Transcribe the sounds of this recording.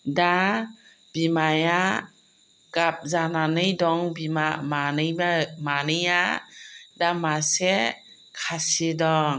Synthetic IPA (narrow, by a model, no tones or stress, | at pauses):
da | b̥imaja | ɡ̥ap̚zananɯjdɔŋbimamanɯjamanɯja | damase | kʰasidɔŋ